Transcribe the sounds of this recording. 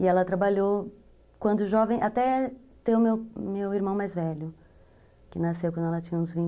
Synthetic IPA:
ɪɛlɐt̪ɾabaʎo | kwɐ̃nd̪ʊʒɔvẽj̃ʔat̪ɛ | t̪eʊmewmewiɾmɐ̃w̃majzvɛʎʊ | kɪnasewkwɐ̃d̪ʊɛlɐt͡ʃĩɲɐ̃ũzvĩ

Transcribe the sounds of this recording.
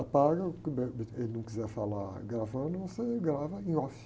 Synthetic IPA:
ɐpaɡɐkɪbɛelɪnɐ̃w̃kizɛɾfalaɾɡɾavɐ̃d̪ʊõseɡɾavɐẽɔf

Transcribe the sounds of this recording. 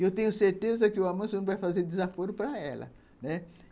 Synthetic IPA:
ewt̪ẽɲʊseɾt̪ezɐkɪʊamɐ̃sɪnɐ̃w̃vajfazeɾd̪ɪzafoɾʊpɾɐɛ̰lɐ̰ | nɛ

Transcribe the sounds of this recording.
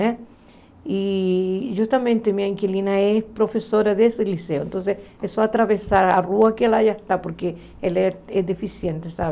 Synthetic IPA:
ɛ | i | ʒust̪amẽnt̪emĩɐiŋkilinɐespɾofesoɾaðeseliseoẽnt̪õns̬esesoat̪ɾaβesaɾaruɐkelajaest̪apoɾke | elɛɛd̪efisjẽnt̪esaβe

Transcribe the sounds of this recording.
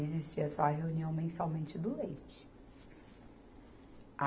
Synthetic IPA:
ezist͡ʃiɐsɔɐɦeuniɐ̃w̃mẽsawmẽnt͡ʃɪd̪ʊlejt͡ʃɪ̥ | a

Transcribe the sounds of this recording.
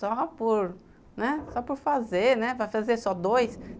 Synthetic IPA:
ɔpʊɾ | nɛsɔpʊɾfazeɾnɛvajfazeɾsɔd̪ojs

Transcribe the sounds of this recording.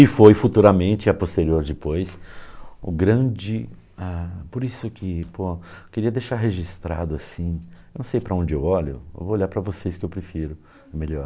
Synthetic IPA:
ɪfojfut̪uɾɐmẽnt͡ʃɪɪɐpost̪eɾioɾd͡ʒɪpojs | ʊ̰ɡɾɐ̃d͡ʒɪ | apoɾisʊkɪpokɪɾiɐd̪ejʃaɾɦeʒist̪ɾa̰d̪ʊasĩenɐ̃w̃sejpɾɐõnd͡ʒɪewɔʎʊ̰ḛwvooʎaɾpɾɐvoseskɪewpɾefiɾʊ | ɛmeʎɔɾ

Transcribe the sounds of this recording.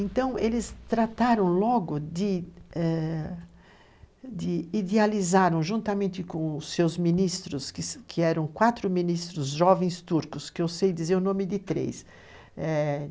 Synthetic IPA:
ẽnt̪ɐ̃w̃elɪst̪ɾat̪aɾɐ̃w̃lɔɡʊd̪ɪɛ | d̪ɪid̪ealizaɾɐ̃w̃ʒũnt̪ɐmẽnt̪ɪkõwʊsːewzmĩnist̪ɾʊskɪskʰɪɛɾɐ̃w̃kwat̪ɾʊmĩnist̪ɾʊzʒɔvẽj̃st̪uɾkʊskɪewsejd̪izeɾʊnõmɪd̪ɪt̪ɾḛs | ɛ

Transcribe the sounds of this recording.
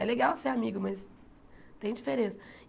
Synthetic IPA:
ɛ̰leɡawseamiɡʊmɐs | t̪ẽj̃d͡ʒifeɾẽsɐ̥

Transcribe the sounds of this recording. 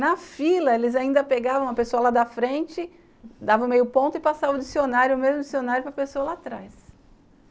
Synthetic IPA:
nɐfilɐelɪzaĩnd̪ɐpeɡavɐ̃w̃ɐpesoɐlad̪ɐfɾẽnt͡ʃɪ | d̪avɐ̃w̃mejʊpõt̪ʊɪpasavɐʊd͡ʒisionaɾjʊmezmʊd͡ʒisionaɾjʊpɾɐpesoɐlat̪ɾajs

